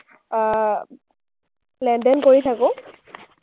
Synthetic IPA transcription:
lɛndɛnkoɹitʰakʊ̃

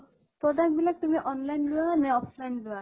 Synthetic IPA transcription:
tɔdak̚bilak̚tumiʔɔnlajnlʊanɛɔpʰlajndʊwa

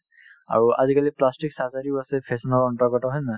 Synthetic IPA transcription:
a̰ɾua̰d̪ikaliplasʈiksazaɾiasepʰesənɔɾɔɳʈɔɡɔʈɔɦɔjna

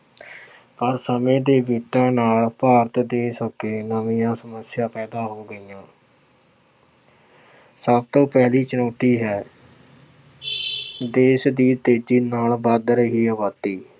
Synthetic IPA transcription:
pəɾsəmẽːd̪eːbiːʈãːnaːlpaːɾət̪d̪eːsəkeːnəʋĩːãːsəməsjaːpɛːd̪aːɦoːɡəijãː | səb̚t̪õːpɛːliːt͡ʃənɔːt̪iːɦɛː | d̪eːʃd̪iːt̪eːd͡ʒiːnaːlbəd̪ɾəɦiːəʋaːt̪iː

